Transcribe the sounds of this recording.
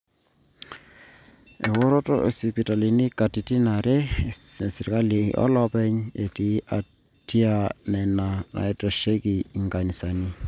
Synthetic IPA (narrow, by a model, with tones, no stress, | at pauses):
e˨wo˦ɾo˦tɔ̰˦ḛ˨si˨pi˨ta˨li˨ni˦ka˨ti˨ti˦na˨ɾɛ˦˨si˨ɾka˦lḭ˨ʔɔ̰˦lɔ˦pɛ˦ɲe˨ti˨˦ʔa˨ | ti˦a˨nɛ˨na˨na̰˨ɛ˦tɔ˨ʃe˦ki˨ŋɡa˨ni˨sa˨ni˦